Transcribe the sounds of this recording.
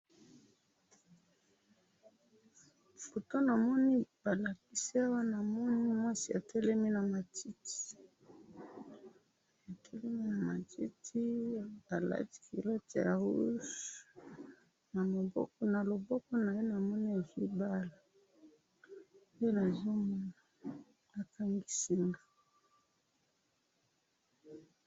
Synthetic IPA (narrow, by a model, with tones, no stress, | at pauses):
fo˨to˦na˨mɔ˦ni˦ba˨la˨ki˦si˦a˦wa˦na˨mɔ˦ni˦mwa˦si˨a˨tʰɛ˦lɛ˦mi˦na˨ma˨ti˦ti̥˨ | a˨tʰɛ˦lɛ˦mi˦na˨ma˨ti˦tʰi˦a˨la̰˦ti̥˨ki˨lo˦te˨ja˨u˦ʃ | na˨lo˨bɔ̰˦kɔ˦na˨lo˨bɔ˦kɔ˦na˨je˦na˨mɔ˦ni˦a˨zo˦ba˦la˨ | o˦o˦na˨zo˦mɔ˦na˨ | na˨ka˦ŋɡi˦si˦ŋa˨